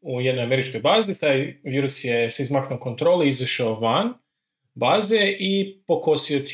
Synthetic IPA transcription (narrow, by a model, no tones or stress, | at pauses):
ujed̪nojame̞ɾit͡ʃko̞jbaːzit̪ajʋiːɾusjeseizmaknoko̞nt̪ɾo̞ːlˠiizaʃaoʋan | baːzeʔipo̞kosiot̪s